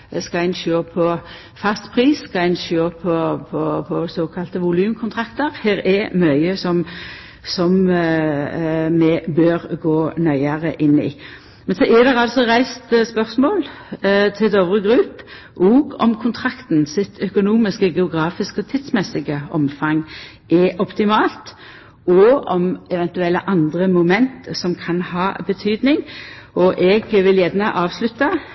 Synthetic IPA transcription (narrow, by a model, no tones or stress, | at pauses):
skɑæɪnʃøːpʰɔ | fɑst̪pʰʁiːsːkɑæɪnʃjøːpʰɔpʰɔpʰɔsoːkʰɑlt̪əʋʊlʉːmkʰʊnt̪ʰʁɑkt̪əʁheːɾɛmœʏəsɔm | sɔm | mɛbøːʁɡoːnœʏəʁəʔɪnːɪ̰ | mɛnsɔʔɛd̪ɛʁɑlt̪sɔʁæɪst̪spœʁsmoːl | t̪ʰɪld̪oːʋʁəɡʁʉːp | ʔɔːɡɔ̰mkʰʊnt̪ʰʁɑkt̪nsɪt̪ʰœkʊnuːmɪskəɡɛʊɡʁɑːfɪskɔt̪ʰɪd̪smɛsɪɡəɔmfɑŋ | ʔɛʔɔpt̪ɪmɑːlt̪ | ɔɔmɛʋɛnt̪ʉɛlːəʔɑnd̪ʁəmʊmɛnt̪sɔmkʰɑnhɑːbət̪ʰyːd̪nɪŋ | ɔʔɛɡʋɪljæd̪nəʔɑːʋslʉt̪ːə